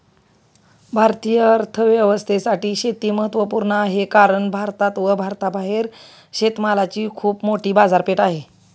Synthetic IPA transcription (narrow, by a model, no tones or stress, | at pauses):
bʱaɾt̪ijəəɾt̪ʰəʋjeʋəst̪ʰesaʈiːɕet̪iːməɦət̪ːʋəpuːɾɳəaɦekaɾəɳbʱaɾt̪at̪ʋəbʱaɾt̪abʱaɦeɾ | ɕet̪malat͡ɕiːkʰuːpmoʈiːbad͡zaɾpeʈaɦe